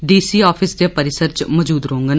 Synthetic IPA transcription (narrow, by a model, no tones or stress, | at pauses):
ɖiːsiːɔːpʰɪsd̪jaːpəɾɪsəɾt͡ʃmɔd͡ʒuːd̪ɾoːŋɡən